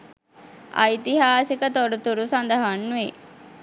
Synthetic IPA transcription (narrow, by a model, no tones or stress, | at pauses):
a̰jt̪iɦaːsikət̪oɾut̪uɾusand̪əɦanːuʋe